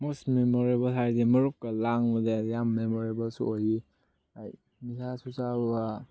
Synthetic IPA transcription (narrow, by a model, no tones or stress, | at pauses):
mostmemoɾebɐlɦaɾdimɐɾup̚kɐlaŋmɐdejamːemoɾebɐlsṵoji | aj | misʰasut͡ʃaba